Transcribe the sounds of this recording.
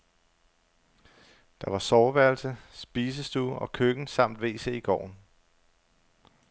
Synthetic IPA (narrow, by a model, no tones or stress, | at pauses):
d̥ɑ̈ʋɑ̈sɒːʋæɐlsəsb̥iːs̬əsd̥uːɒ̽kʰøɡ̥n̩sɑ̈m̰d̥ʋe̝̰ːseiɡ̥ɒ̰ːn